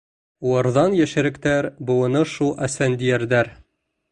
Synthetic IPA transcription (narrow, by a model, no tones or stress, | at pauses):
uwɑɾðɑnjæʃɘ̆ɾɘ̆kt̪æɾbɤ̆wɤ̆nɤʃulˠʔæsænd̪ijæɾd̪æɾ